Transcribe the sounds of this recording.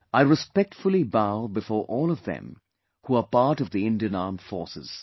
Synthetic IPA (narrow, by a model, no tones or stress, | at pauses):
aɪɹɨspɛk̚tfʊlˠibaʊbɨfɔːɹʔɔːlˠʌvðɛ̰̃m | huəpɑɹɾʌvðiɪ̃ndiɨ̃nɑɹmfɔ̰ɹsɨ̰z̥